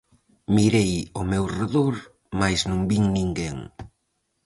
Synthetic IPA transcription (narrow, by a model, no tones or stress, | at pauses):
miɾejʊmewreðoɾ | majsnũmbiŋnĩŋɡeŋ